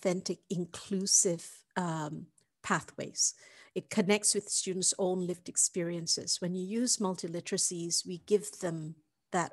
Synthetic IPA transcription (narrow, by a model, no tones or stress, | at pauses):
θɛ̃ntɪkɪ̃nkʰl̥ʉsɪv̥ | ʌ | pʰæθwḛɪz̥ɨt̚kʰɨnɛk̚tswɨð̥stʉdⁿn̩tsõʊ̃nlɪftɨkspɪɹiɨ̃nsɪ̰z̥wɨ̃njɨjʉzmʌlˠtʰɨlɪɾəɹɨsiz̥wiɡɪvðə̃m | ðət